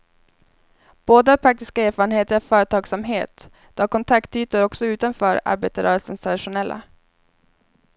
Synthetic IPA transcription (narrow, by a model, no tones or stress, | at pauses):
b̥oːd̪apʰɾak̚t̪ɪskaeːɾfɑːɾənheːt̪əɾfœːɾət̪ʰɑːɡsamɦeːt̪ | d̪̥ɔkʰɔnt̪ʰakt̪yːt̪əɾɔksɔʉ̟ːt̪anfœːɾa̰ɾbḛːt̪aɾœːɾəlsənst̪ʰɾad̪ɪʂʊnɛlːʔa̰